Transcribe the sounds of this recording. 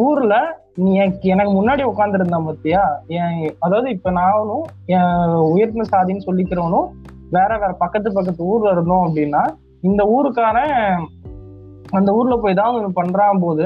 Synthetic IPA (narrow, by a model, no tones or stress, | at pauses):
uːɾɯlɐ | nĩːɛnkːɯɛnɐkːɯmʊnːaːɽiʊkːaːnd̪ɪɾɯnd̪aːmɐt̪ːɪjaːɛ̃ːɐðaːʋɐðɯɪpːɐnaːʋɐnʊ̃ɛ̃ʊjɐɾt̪nɐsaːðɪnːɯsɔlːɪkːɪɾɐʋɐnʊ̃ | ʋeːɾɐʋeːɾɐpɐkːɐt̪ːɯp̬ɐkːɐt̪ːɯuːɾɯlɐɾɯknʊ̃ɐpːɐɽɪnːaː | ɪnd̪ɐuːɾɯkːaːnɐ | ɐnd̪ɐuːɾɯlɐpoːjt̪̬ãːɐnnːpɐɳːɾaːpoːðɯ